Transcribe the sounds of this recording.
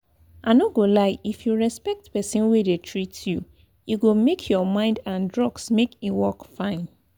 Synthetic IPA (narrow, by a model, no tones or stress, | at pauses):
anoɡolaɪifjuɹɛspɛk̚tpɛsĩnwedetʰɹitju | jiɡomekʰjɔmãɪ̃ndãndɹɔɡsmekiwɔkfãɪ̃n